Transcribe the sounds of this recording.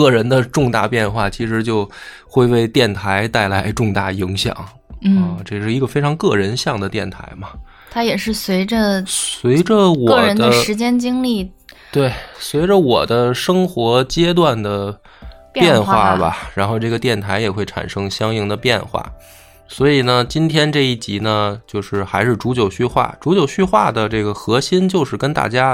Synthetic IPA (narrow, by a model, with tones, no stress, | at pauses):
kɤ˥˩ɻə˧˥nd̪ə˧ʈ͡ʂʊ˥˧ŋt̪a̰˥˧pjɛ˥˧nxwa˥˩t͡ɕʰi˧˥ʂɻ̩˧˥t͡ɕjo˥˧ʊ | xwe˥˧ɪwe˥˧ɪt̪jɛ˥˩nt̪ʰa˧˥ɪt̪a˥˩ɪla˧˥ɪʈ͡ʂʊ˥˧ŋt̪a˥˩i˧˥ŋɕjɑ̰˨˩˦ŋ̩˥˩ | ʈ͡ʂɤ˥˧ʂɻ̩˥˩i˧˥ɡə˧fe˥ɪʈ͡ʂʰɑ˧˥ŋkɤ˥˩ɻə˧˥nɕjɑ˥˩ŋd̪ə˩t̪jɛ˥˩nt̪ʰa̰˧˥ɪmɐ˧ | t̪ʰa˥jɛ˨˩ʂɻ̩˥˩swe˧˥ɪʈ͡ʂə˧swe˧˥ɪʈ͡ʂə˧wɔ˧ɤ˥˩˨ə˧˥nd̪ə˦ʂɻ̩˧˥t͡ɕjɛ˥nt͡ɕi˥ŋli˥˩ | t̪we˥˩ɪswe˧˥ɪʈ͡ʂə˧wɔ˨˩d̪ə˦ʂɤ˥ŋxwɔ˧˥t͡ɕjɛ˥t̪̬wa˥˩nd̪ə˩ | pjɛ˥˧nxwa˥˩bɐ̰˩ɻa˧˥nxo˥˧ʊʈ͡ʂɤ˥˩ɡə˩t̪jɛ˥˩nt̪ʰa˧˥ɪjɛ˨˩xwe˥˩ɪʈ͡ʂʰa̰˨˩nʂɤ˥ŋɕjɑ˥ŋi˥ŋd̪ə˧pjɛ̰˥˧nxwa̰˥˩ | swɔ˧˥i˨˩nə˦t͡ɕi˥nt̪ʰjɛ˥nʈ͡ʂɤ˥˧i˥˩t͡ɕi˧˥nə˧t͡ɕjo˥˧ʊʂɻ̩˥˩xa˧˥ɪʂɻ̩˥˩ʈ͡ʂu˧˥t͡ɕjo˨˩ʊɕy˥˧xwa̰˥˩ʈ͡ʂu˧˥t͡ɕjo˨˩ʊɕy˥xwa̰˥˩d̪ə˩ʈ͡ʂɤ˥˩ɡə˩xɤ˧˥ɕi˥nt͡ɕjo˥˧ʊʂɻ̩˥˩kə˥nt̪a̰˥˩t͡ɕja˥